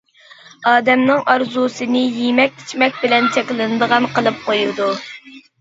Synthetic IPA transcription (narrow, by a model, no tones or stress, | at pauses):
ɑːd̪ɛmnɪŋɑɾzusɨnɨjimɛk̪̚ʲi̥t͡ʃʰmɛk̚ʲbɪlɛnt͡ʃʰɛkʲlˠɪnɨd̪əʁɑnqəlˠɨp̚qojud̪u